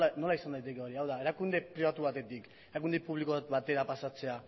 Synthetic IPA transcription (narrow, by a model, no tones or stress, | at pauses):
ano̞laisand̪ajt̪e̞keoɾiawðae̞ɾakund̪e̞pɾiβat̪uβat̪e̞t̪ik | eɾak̬und̪epuβlikot̪βat̪e̞ɾapasat͡se̞a